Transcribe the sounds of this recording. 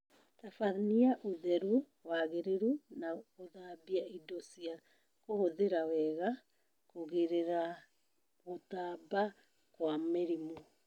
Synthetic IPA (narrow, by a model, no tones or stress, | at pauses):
tafaðniaʔoðɛɾu | waːɣeɾeɾunaoðabiaidosia | kohoðeɾawɛɣa | koɣeɾeɾa | ɣotaːba | kwameɾimo